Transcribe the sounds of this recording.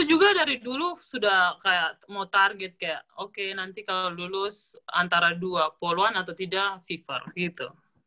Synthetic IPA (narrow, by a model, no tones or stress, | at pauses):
t̪ud͡ʒuɡadaɾidulusudahkajaʔmawt̪arɡɛt̪̚kajaʔokenant̪ikalalulʊsa̰nt̪aɾaduapoloanat̪awt̪idaʔfifə̰rɡit̪u